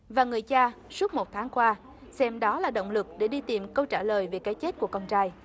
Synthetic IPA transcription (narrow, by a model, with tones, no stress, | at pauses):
vaː˨˩ŋɨ˨˩əjt͡ɕaː˧su˦˥ət̚mo˨˩t̚t̪ʰaː˨˦ŋkwaː˧ | sɛ˧mɗɔ˨˦laː˨˩ɗə̰˧˨wŋ͡mlɨ˨˩k̚ɗe˧˩ɗi˧t̪i˨˩mkə˧wt͡ɕaː˧˩ləː˨˩jve˨˩kaː˨˦jt͡ɕe˦˥t̚ku˧˩əkɔ˧nt͡ɕaː˧j